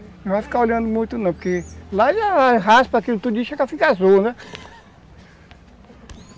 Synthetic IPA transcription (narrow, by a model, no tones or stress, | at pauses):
nẽw̃vafi̥kaoʎɐ̃nd̪ʊmũj̃t̪ʊnɐ̃pokelaʒaaɦaspakilʊt̪ud͡ʒiʃekafikazonɛ